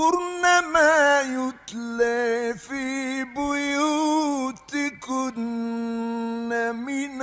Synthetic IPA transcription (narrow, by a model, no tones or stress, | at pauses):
uɾnamajutlefibujutikun̩ | namin